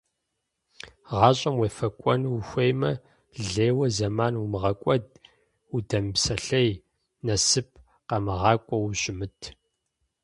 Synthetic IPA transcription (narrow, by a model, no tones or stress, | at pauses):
ʁɑːɕʼɐmweːfɐkʷʼɔnwxʷejmɐ | ɮeːwɐzɐmaːnumɨʁɐkʷʼɔd̚ | udɐmpsɐɬɐj | nɐsɨp̚ʰ | qɐmɨʁɑːkʷʼɔwɕʼɪmɨtʰ